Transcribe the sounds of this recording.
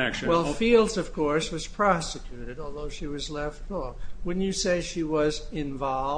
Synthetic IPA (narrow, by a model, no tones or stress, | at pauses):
wɛlˠfilˠdzʌv̥kʰɔɹswʌz̥pʰɹ̥ɑsɨkʰj̥ʉɾɨɾɔlˠðoʊʃiwʌzlɛftfɔɹwɨ̃dⁿn̩jɨseɪʃiwʌzɪ̃ɱvɑl